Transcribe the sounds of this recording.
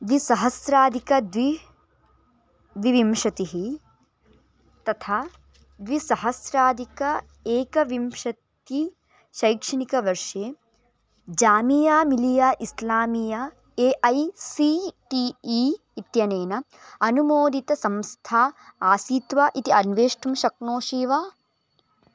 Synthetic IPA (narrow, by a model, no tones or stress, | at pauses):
d̪ʋisɐɦɐsɾaːd̪ʱikɐd̪ʋi | ʋiʋimʂɐt̪iɦi | t̪ɐt̪ʰaː | d̪ʋisɐɦɐsɾaːd̪ʱikɐ | eːkɐʋimʂɐt̪i | ʃɐjkʂɐnikɐʋɐɾʂeː | d͡ʒaːmijaːmilijaːʔislaːmijɐ | eːʔɐjsiʈiːiː | t̪jɐneːnɐ | ɐnumoːd̪it̪ɐsɐmst̪ʰaːaːsiːt̪ʋaːʔit̪iɐnʋeːʂʈumʃɐknoːʃiːʋaː